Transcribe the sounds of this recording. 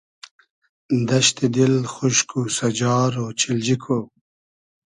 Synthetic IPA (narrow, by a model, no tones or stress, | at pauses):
nd̪aʃt̪ed̪ɪlxʊʃkʰusad͡ʒɑːɾot͡ʃʰɪld͡ʒikʰo